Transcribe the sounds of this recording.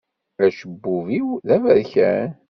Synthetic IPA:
æʃəbːuviwðævəðçæ̰n

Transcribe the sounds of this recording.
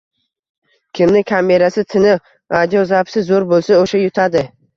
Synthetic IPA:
kʲʰɪmnɪkʰʲame̞ɾasɪt̪ʰɪnɪ | ɾad̪jozapsɪzoɾbolˠsaoʃajʊt̪ʰad̪ɪ

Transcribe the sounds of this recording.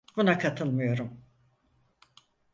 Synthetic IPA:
bunakʰat̪ʰɯlˠmɯjo̞ɾum

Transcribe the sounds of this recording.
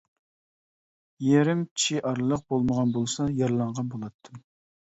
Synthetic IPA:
jeɾɪmt͡ʃʰiʔɑɾlˠəq̚bolˠməʁɑnbolˠsɑjɑɾlˠɑɴʁɑnbolˠɑt̪ʰːɨm

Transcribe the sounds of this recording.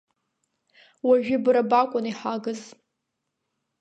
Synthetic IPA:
waʒᶣɪbɨɾabakʷʼʊniħaɡɨz

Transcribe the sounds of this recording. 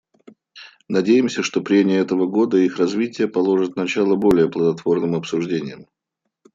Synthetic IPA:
nɐdʲejɪmsʲəʂt̪o̞pɾʲemʲɪjəɛt̪əvəɡo̞d̪əixrɐzvʲitʲɪjəpɐlˠo̞ʐɨt̪̚nɐt͡ɕalˠəbo̞lʲɪjəplˠəd̪ɐt̪v̥o̞rnɨmɐpsʊʐdʲenʲɪjəm

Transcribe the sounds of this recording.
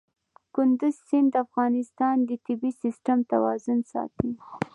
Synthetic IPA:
kʊnd̪uzsɪnd̪əafɣɑnɪst̪ɑnd̪ət̪ɪbisɪsʈamt̪a̰wɑ̰zʊnsɑ̰t̪i

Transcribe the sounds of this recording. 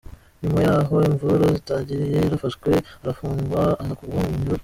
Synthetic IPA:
ɲumajaːɦo̞iɱvuɾozitaːɲɟiɾije̞ɾafaʃkwe̞aɾafuːŋɡwaːhakuɾɡwamuɲiɾoɾ

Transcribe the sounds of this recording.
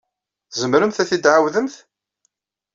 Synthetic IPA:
θzəmɾəmθæθid̪ʕawðəmθ

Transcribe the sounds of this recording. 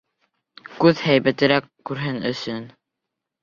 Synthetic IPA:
kʉðhæjβæt̪ɘ̆ɾækːʉɾɦɘnɵ̰̆sɵn

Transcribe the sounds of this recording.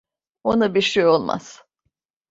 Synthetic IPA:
onabiʃejo̞lˠma̰z̥

